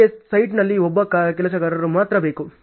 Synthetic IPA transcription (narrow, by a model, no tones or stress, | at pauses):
essɐjʈnɐlːiɔbːɐkakɛlɐs̬ɐɡɐɾɐɾumaːt̪ɾɐbe̞ːku